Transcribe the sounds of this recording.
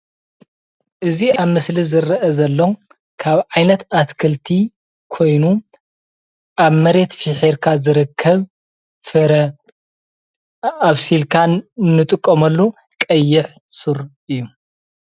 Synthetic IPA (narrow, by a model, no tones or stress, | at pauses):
ʔɨziaβmɨslizɨɾɐʔɐzɐlːo | kʰaβʕajnɐt̪at̪kʰɐlt̪ʰi | kʰo̞jnu | ʔaβmɐɾe̞t̪fiħeɾkʰazɨɾɨkʰːɐβ | fɨɾɐ | aβsilkʰanːɨt̪ʼɨkʼːomɐlːu | kʼɐjːɪħ | suɾ | ɨjːu